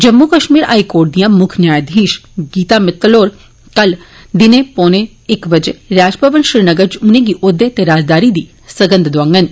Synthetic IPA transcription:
d͡ʒəmːukəʃmiːɾa̰ːikoːɾʈ̚d̪ijãmʊkʰnjaːjd̪ʱĩːʃɡiːt̪amɪt̪loːɾ | kɐl | d̪ɪnepoːne | ɪkʋəd͡ʒeɾaːd͡ʒpəʋənʃɪɾnəɡəɾt͡ʃʊnẽɡiʔod̪et̪eɾaːd͡ʒd̪aːɾid̪iː | səɡə̃nd̪d̪ʊãŋɡən

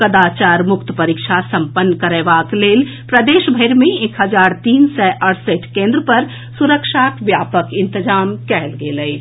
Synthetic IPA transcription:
kəd̪at͡ʃaːɾmʊkt̪əpəɾikʃʰasə̃mpənːkəɾeːbakleːl | pɾəd̪eːʃbʱəɪɾmẽekɦəd͡ʒaːɾt̪iːnsɛʔəɾsəʈkẽnd̪ɾəpəɾ | suɾəkʃakʋjaːpəkɪ̃nt̪əd͡ʒaːmkɛɦlɡeləj

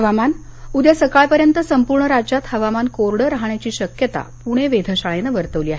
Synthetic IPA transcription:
ɦəʋamanud̪jasəkaɭpəɾjənt̪əsəmpuɾɳəɾad͡ʑat̪həʋamankoɾɽəɾaɦɳjat͡ɕiːɕəkjət̪a̰puɽ̃eʋed̪ʱəɕaɭenəʋəɾt̪əʋliːaɦe

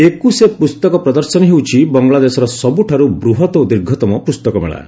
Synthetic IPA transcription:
ekusepust̪ɔkɔpɾɔd̪ɔɾsɔnɔɦewt͡ʃʰibɔŋɡlad̪esɔɾɔsɔbuʈʰaɾubɾuɦɔt̪ɔd̪iɾɡʱɔt̪ɔmɔpust̪ɔkɔmḛɭa̰

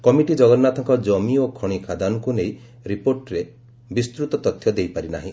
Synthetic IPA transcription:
kɔmiʈid͡ʒɔɡɔɾnat̪ʰɔŋkɔd͡ʒɔmiokʰɔɽ̃ikʰad̪anɔkunej | ɾipoɾʈɾe | bist̪ɾut̪ɔt̪ɔt̪ʰjɔd̪ejpaɾina̰ɦĩ

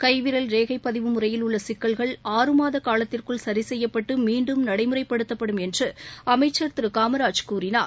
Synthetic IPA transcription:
kɐɪʋɪɾɐlɾeːɣɐɪpːɐðɪʋɯmʊrɐjɪlʊɭːɐsɪkːɐɭɣɐɭaːɾɯmaːðɐkaːlɐt̪ːɪrkɯɭsɐɾɪsɛjːɐpːɐʈːɯmiːɳɖɯmnɐɽɐɪmɯrɐɪpːɐɽɯt̪ːɐpːɐɽɯmɛndrɯɐmɐɪt͡ʃːɐɾt̪ɯɾɯkaːmɐɾaːd͡ʒkuːɾɪna̰ː

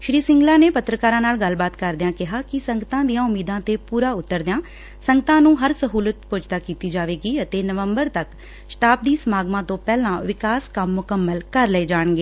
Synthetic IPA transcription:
ʃɾiːsɪ̃ŋɡlãːneːpət̪ɾəkaːɾãːnaːlɡəlbaːt̪kəɾd̪ɪjãːkɪɦaːkɪsəŋɡət̪ãːd̪ijãːʊmːiːd̪ãːt̪eːpuːɾaːʊt̪ːəɾd̪ãː | səŋɡət̪ãːnũːɦəɾsəɦuːlət̪̚pʊd͡ʒt̪aːkiːt̪iːd͡ʒaːʋeːɡiːət̪eːnəʋəmbəɾt̪ək | ʃʈaːp̚d̪iːsəmaːɡmãːt̪õːpɛːlãːʋɪkaːskəmːʊkəmːəlkəɾləeːd͡ʒaːɳɡeː

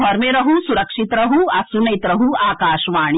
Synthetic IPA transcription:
ɐɾmeɾɐɦusuɾɐkʂit̪ɾɐɦuɐsunɐjit̪ɾɐɦuaːkaːʃʋaːɳ

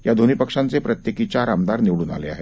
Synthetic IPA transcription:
jad̪ʱonipəkʂãnt͡sepɾɐt̪jekit͡ɕaɾamd̪aɾniʋɽuːna̰lea̰ɦeː

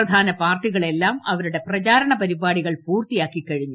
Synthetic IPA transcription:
ɐd̪ʱaːnɐpaːrʈːiɣɐɭe̞lːaːmɐʋɐɾuɽe̞prɐt͡ɕaːɾɐɳɐpɐɾibaːɽiɣɐɭpuːrt̪ijaːkːikːɐɻiɲːu

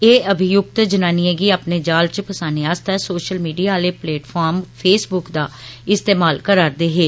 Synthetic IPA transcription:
eːəbʱɪjʊk̚t̪d͡ʒənaːniɛ̃ːɡiaːpneːd͡ʒaːlt͡ʃpəsaːneːaːst̪ɛːsoːʃəlmiːɖiːaːleːplɛːʈpʰaːɾmpʰeːsbʊkd̪aːɪst̪eːmaːlkəɾaːɾd̪eːɦeː

